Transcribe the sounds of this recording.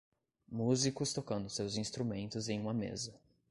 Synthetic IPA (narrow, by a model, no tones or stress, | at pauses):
muzikʊst̪okɐ̃nd̪ʊsewzĩst̪ɾumẽnt̪ʊzẽj̃ũmɐmḛzɐ